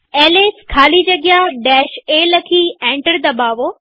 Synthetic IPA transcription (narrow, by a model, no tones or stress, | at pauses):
ɛːleːskʰaːlid͡ʑɐɡjaɖɛːʃeːlɐkʰiːɛ̃ːɳʈəɾd̪ɐbaːʋoː